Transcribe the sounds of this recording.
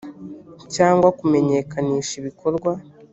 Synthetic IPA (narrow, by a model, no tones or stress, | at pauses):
caːŋɡwakume̞ɲe̞ːkʰaniːʃiβikʰo̞ɾɡwa